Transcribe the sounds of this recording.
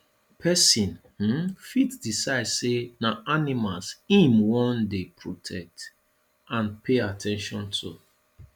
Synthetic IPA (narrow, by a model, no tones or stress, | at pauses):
pʰɛsĩnh̩fitdisaɪdsenaʔanimalsĩmwɔ̃ndepʰɹotʰɛk̚t | ãnpʰeatʰɛ̃nʃɔ̃ntʰṵ